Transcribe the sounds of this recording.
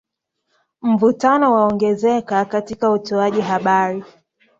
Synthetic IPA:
m̩vutanɔwaɔŋɡɛzɛkakatikautɔaʄiɦaɓaɾi

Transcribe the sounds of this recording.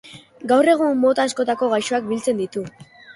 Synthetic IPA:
ɡawre̞ɣ̞umːo̞t̪aːsko̞t̪ako̞ɣajʃo̞ak̚bilt͡se̞nd̪it̪u

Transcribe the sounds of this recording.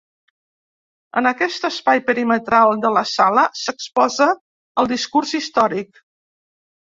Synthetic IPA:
ə̰nəkɛst̪əspajpəɾimət̪ɾalˠd̪ələsaləsəkspɔzə | əlˠd̪iskurzist̪ɔɾik̚

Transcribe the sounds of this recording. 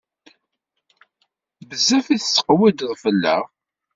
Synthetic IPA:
bəzːæfiθsə̥qwid̪ðˤfəlːæ̰ʁ

